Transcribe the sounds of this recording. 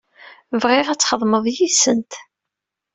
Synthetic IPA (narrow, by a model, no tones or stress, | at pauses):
vʁɪʁæt͡sːχəðˤməðˤjisənt̪